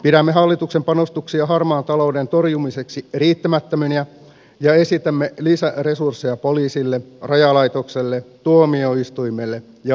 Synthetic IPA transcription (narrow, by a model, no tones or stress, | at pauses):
pidæmːeɦɑlːit̪ukse̞mpɑnost̪uksiɑɦɑrmɑːnt̪ɑlo̞udent̪o̞rjumise̞ksiriːt̪ːæmæt̪ːømyniæ | jɑe̞sit̪æmːelisære̞sursːejɑpoliːsilːerɑjɑlɑjt̪okselːet̪uomio̞ist̪ujmelːe | jɑ